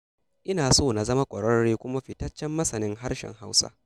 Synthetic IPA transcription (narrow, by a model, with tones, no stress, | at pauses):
ʔɪ˦naː˨soː˦˨na˨zɐ˦ma˦kʷʼɔ˨ɽɐ˦ɽeː˦kʷʊ˦ma˦ɸɪ˨tɐ˦t͡ʃːɛ˦mːɐ˦sɐ˨nɪ˦ŋɦa˦rʃɛ̰˨ŋɦa˦wsa̰˦